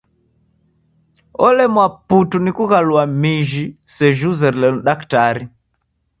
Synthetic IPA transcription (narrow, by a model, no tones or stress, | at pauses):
ɔlɛmwaputunikuɣaluamiʒisɛʒuzɛɾilɛn̩ɗaktaɾi